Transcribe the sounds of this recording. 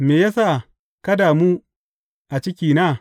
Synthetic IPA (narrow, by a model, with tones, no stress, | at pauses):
meː˨jaː˦saː˦˨ | kɐ˦daː˨mu˦ | ʔa˨t͡ʃɪ˦kʲiː˨naː˦˨